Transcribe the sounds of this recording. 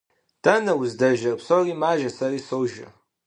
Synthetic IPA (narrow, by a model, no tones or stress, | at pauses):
d̥anawuzdaʒɐrpʰsorimaːʒasarisowʒa̰